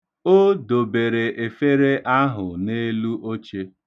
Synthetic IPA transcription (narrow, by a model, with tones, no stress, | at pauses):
o˦do˨be˨ɾe˨ʔe˨fe˦ɾe˦ʔa˦ɦʊ˨ne˦lu˦ʔo˦t͡ʃe˦